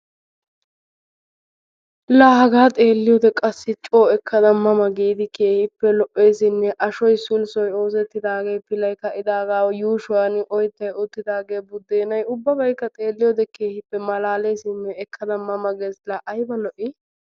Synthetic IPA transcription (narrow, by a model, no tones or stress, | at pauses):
laːhɐɡaːt̪ʼe̞ːlːɪjoːd̪ɛkʼɐsːɪt͡ʃʼo̞ːɛkːɐd̪ɐmːɐmɐɡiːd̪ɪkeːhɪpːɛlɔʔe̞ːsɪnːɛʔɐʃɔjsʊlsɔjo̞ːsɛt̪ːɪd̪aːɡe̞ːpɪlɐjkɐʔɪd̪aːɡaːwjuːʃʊwanɪʔɔjt̪ːɐjʊt̪ːɪd̪aːɡe̞ːbʊd̪ːeːnɐjʊbːɐbɐjkːɐt̪ʼe̞ːlːɪjoːd̪ɛke̞ːhɪpːɛmɐlaːlejsɪnːɛːkʰːɐd̪ɐmːɐmɐɡeːslɐʔɐjbɐlɔʔɪ